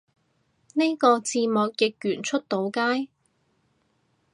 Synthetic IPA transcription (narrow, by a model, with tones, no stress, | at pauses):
ne˥jkɔː˧t͡siː˧mɔː˨k̚jɪ˨k̚jyː˨˩nt͡ʃʰɵ˥t̚t̪o˨˥wkaː˥j